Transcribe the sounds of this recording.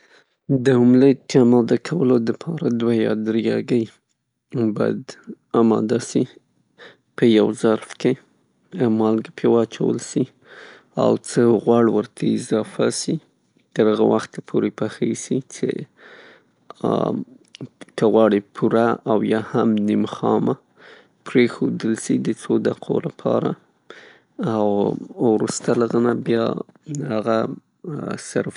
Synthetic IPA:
d̪əumləjt̪amɑd̪əkʰawəlod̪əpʰɑɾad̪wajɑ̰d̪ɾjɑɡəj | bajd̪ | amɑ̰d̪asi | pəjawzaɾfke | mɑlɡpʰewɑt͡ʃa̰wə̰lsi | a̰wt͡səɣwɑɽwəɾt̪ʰaɪzɑfasi | t̪əɾhaɣa̰waxt̪pʰoɾepaxesit͡sḛ | kəɣwɑɽipʰuɾaawjɑhamnimxɑma | pɾexod̪əlsid̪ət͡sod̪aqʰo̰lapʰɑ̰ɾa̰ | awwɾust̪alaɣənabjɑhaɣa | sa̰ɾf

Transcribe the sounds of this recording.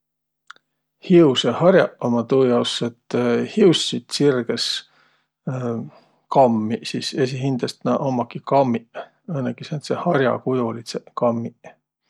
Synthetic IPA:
hiusehɑɾjɑʔomɑt̪uːjɑwset̪hiwssit̪sirɡ̥es | kɑmːisiːse̞s̬iɦind̪̥ɑst̪nɑʔomɑkikɑmːiʔ | ɤnːekisent̪sehɑɾʲjɑ̰kud̪ulit̪sekɑmːi

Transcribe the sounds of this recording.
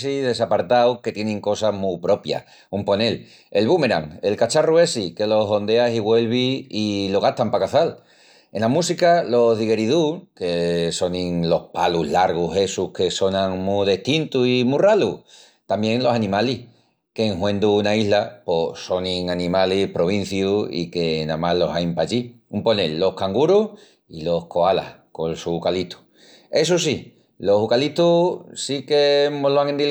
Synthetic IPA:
siðe̞sapaɾt̪awke̞t̪je̞nẽŋko̞samupɾo̞pja̰ | umpo̞ne̞l | e̞lβume̞ɾa̰ŋe̞lkat͡ʃarue̞sike̞lo̞ɦo̞nd̪easiɣwe̞lβiilo̞ɣ̞aht̪ampakaθal | e̞namusikalo̞ɦðiɣe̞ɾiðukeso̞nĩŋlo̞hpaluɦlaɾɣ̞uɦe̞suhke̞so̞nãŋmuðeht̪int̪uimuralu | t̪ambje̞ŋlo̞sanĩmalih | keŋɦwẽ̞nd̪uːnaiɦlaposo̞nĩŋanĩmalihpɾo̞β̞in̟θjuḭke̞nãmalo̞sajmpaʎiumpo̞nelːo̞hkaŋɡuɾuh | ilo̞hko̞ala̰h | ko̞nsukalit̪ʰu̥ | e̞sus̬i | lo̞sukalit̪usikemoloaŋend̪i

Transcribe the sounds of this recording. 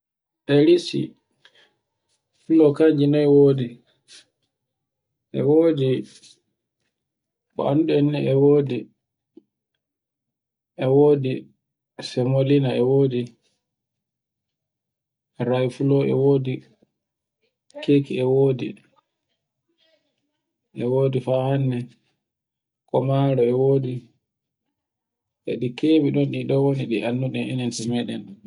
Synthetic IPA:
ʔɛlisḭ | fulɔkaɲd͡ʒinɔɛwoːdi | ʔɛ̰woːdi | ɓɔ̰anduɛnːɛɛwoːdi | ʔɛwoːdi | sɛmolinaɛwoːdi | ɾajfulɔɛ̰woːdi | keːkiɛwoːdḭ | ʔɛwoːdifaːhanːɛ | kɔmaːlɔɛwoːdi | ʔɛ̰ɗikebiɗɔnɗiɗɔwoniɗiʔanːuɗɛnʔinɛntimɛɗɛ̰n

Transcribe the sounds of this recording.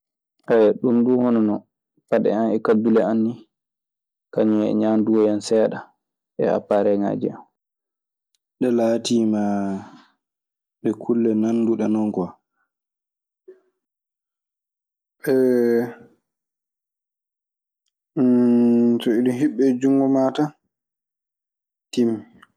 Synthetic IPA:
ʔɛɗumɗuhɔnɔnɔ | paɗɛ̰anɛkadulɛanːi | kaɲuɛ̰ɲanduwɔjansɛːɗa | ɓɛ̰ha̰pːaɾɛŋa̰ːd͡ʒḭam | ɗɛlaːtiːma | ɗɛkʰulːɛnanːduɗɛnɔŋkɔ | ʔɛ | tɔiɗiɦiɓːɛd͡ʒuŋɡɔmaːta | tim

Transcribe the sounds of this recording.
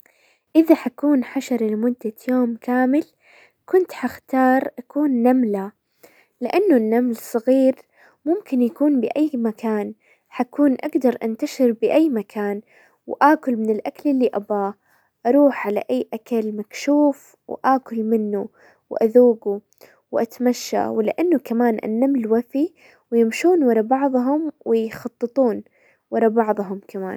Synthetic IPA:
ʔɪðaħakuːnħaʃɑɾˤɪlmʊd̪ːajoːmkaːmɪl | kʊnt̪ħaxt̪ɑːɾˤʔakuːnːamla | lɪʔanːʊnːamlsˤɑɣiːɾ | mʊmkɪnjakuːnbɪʔajːmakʰaːn | ħakuːnʔaɡd̪ɑɾˤʔa̰nt̪aʃɪɾbɪʔajːmakʰaːn | wʔaːkʊlmɪnɪlʔakalɪlːiʔabaː | ʔɑɾˤuːħʕala̰ʔajːʔakalmakʃuːf | wʔaːkʊlmɪnːu | wʔaðuːɡu | wʔat̪amaʃːa̰wɪlɪ̰ʔanːʊkamaːnʔa̰nːamlwafi | wɪjɪmʃuːnwɑɾˤɑbɑʕðˤɦʊmwɪjxɑt̪ˤːɨt̪ˤuːn | wɑɾˤɑbɑʕðˤɦʊmkama̰ːn

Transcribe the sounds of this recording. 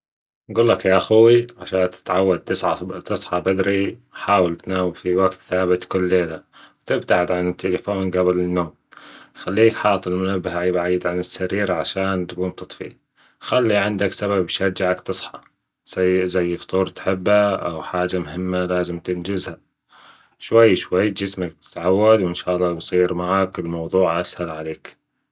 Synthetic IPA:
nɡuːlːakjaʔaxuwiʕaʃaːnt̪ɪ̥t̪ʕawːad̪̚t̪ɨsʕat̪ɨsˤħɑbad̪ɾiħaːwɪlt̪anaːwɪbfiwaɡt̪θaːbɪt̪kʊlːeːlawt̪ɪbt̪aʕɪd̪ʕanɪt̪ʰːelɪfoːnɡabɪlɪnːoːm | xalːiːkħɑːt̪ˤɪlmʊnabːɪhʕiːbaʕiːd̪ʕanɪsːaɾiːɾaʕaʃaːnt̪kuːnt̪ɨt̪ˤfḭ | xalːiʕɪnd̪aksaβabʃad͡ʒːaʕakt̪ɨsˤħɑ | azajːft̪ˤuːɾˤt̪ħɪbːaʔa̰wħaːd͡ʒamʊɦɪmːalaːzɪmt̪ɪnd͡ʒɪzha | ʃwajːʃwajːd͡ʒɪsmak̚t̪ɪ̥t̪ʕawːad̪wɪnʃaːʔlˤːɑːbsˤiːɾmaʕakɪlmɑwðˤuːʕʔashalʕaleːk

